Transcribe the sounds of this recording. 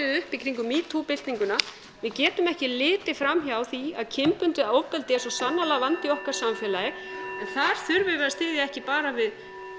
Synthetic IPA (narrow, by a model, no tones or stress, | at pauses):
ɪðʏhpikʰɾiŋkʏmiːt̪ʰupɪl̥t̪niŋkʏna | vɪðcɛːt̪ʏmɛhcɪlɪːt̪ɪfɾamçawθiaðcʰɪmpʏnt̪ʏðawpɛlt̪ɪɛsɔsanːalaɣvant̪ɪɔhkaɾ̥samfɛːlajɪ | ɛnθaɾ̥θʏɾvɪvɛːɾast̪ɪːðɪɛhcɪpaːɾavɪð